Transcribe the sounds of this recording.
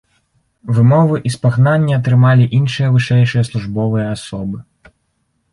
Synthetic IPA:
vɨmɔvɨʔispaɣnanʲːɛɐt̪̬ɾɨmalʲiʔinʂɨjɐvɨʂɛjʂɨjɐslˠuʐbɔvɨjɐasɔbɨ

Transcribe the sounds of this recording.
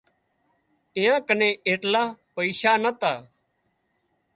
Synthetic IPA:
ɪjãːkənẽːʔeːʈlaːpəiːʃaːnət̪aː

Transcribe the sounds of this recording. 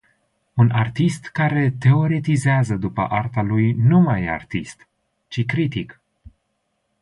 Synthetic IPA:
unart̪ist̪kaɾe̞t̪e̞o̞ɾet̪izeazəd̪upə̰ʔart̪alujnumaja̰rt̪ist̪ | t͡ʃikɾit̪ik

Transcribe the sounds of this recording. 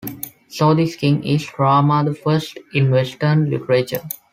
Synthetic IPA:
soːd̪iskɪ̃ŋisfɾaːmad̪əfəɾsʈɪ̃nʋesʈənlɪ̰ʈəɾeːt͡ʃə̰ɾ

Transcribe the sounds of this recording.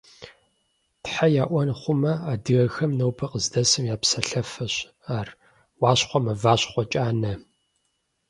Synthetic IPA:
tħajaːʔʷɔnχʷʊmɐaːdɨɣɐxɐmnɐwpʰɐqəzdɐsɨmjaːpsɐɬɐfɐɕ | aːr | wɑːɕχʷɔmɐvaːɕχʷɔt͡ʃʼaːnɐ

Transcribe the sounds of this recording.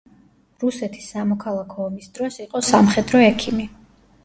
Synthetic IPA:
ɾusɛt̪ʰi̥sːamɔkʰalˠakʰɔːmisd̪ɾɔsiqʼɔsamχɛd̪ɾɔɛkʰimi

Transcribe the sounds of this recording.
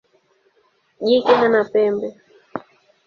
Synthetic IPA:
ʄikɛɦanapɛmbɛ

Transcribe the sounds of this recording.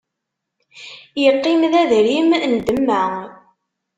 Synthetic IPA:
jəqːimðæðɾimnd̪əmːæ

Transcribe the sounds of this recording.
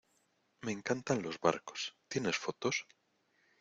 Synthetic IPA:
me̞ŋkant̪anlo̞zβa̰ɾko̥st̪jene̞sfot̪os

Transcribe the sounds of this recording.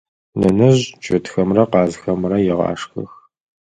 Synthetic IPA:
nɐnɐʑt͡ʃʼɪtxɐmrɐqɑːzxɐmrɐjɪʁɑ̰ːʂxɐ̰x

